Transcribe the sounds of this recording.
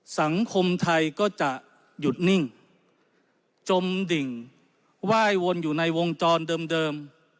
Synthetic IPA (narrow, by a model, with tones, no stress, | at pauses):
sa˩˦ŋkʰo˧mt̪ʰa˧jkɔː˥˩t͡ɕa˨˩ʔ | ju˨˩t̪̚ni˥˩ŋ | t͡ɕo˧mdi˨˩ŋ | waː˥˩jwo˧njuː˨˩na˧jwo˧ŋt͡ɕɔː˧ndɤː˧mdɤː˧m